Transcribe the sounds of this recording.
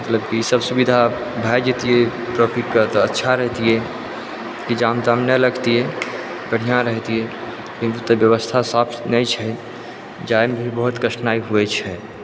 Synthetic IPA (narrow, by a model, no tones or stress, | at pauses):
mət̪ləbkiisəbsubid̪ʱa | bʱajd͡ʒet̪ije | pɾofiʈkət̪ɔətːʃʰaɾəɦt̪iɛ | kid͡ʒamt̪amnɛləɡt̪iɛ | bəɽ̤ijãɾəɦt̪iɛ | kĩnt̪ut̪əbjəʋəst̪ʰasapʰnɛt͡ʃʰɛ | d͡ʒajmbʱibəɦut̪kəʃnaiɦuɛt͡ʃʰɛ